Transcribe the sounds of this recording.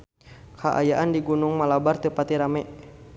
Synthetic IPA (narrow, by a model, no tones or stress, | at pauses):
kʰaʔa̰jaʔandiɡunʊŋmalabart̪əpat̪iɾamɛʔ